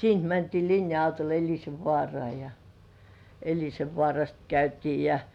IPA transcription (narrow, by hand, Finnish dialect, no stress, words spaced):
siːnt mæntiː linjɑɑutol elʲiseʋːŏɑˑrŏɑˑ jɑ elʲiseʋːŏɑˑrɑst kæytiː jɑ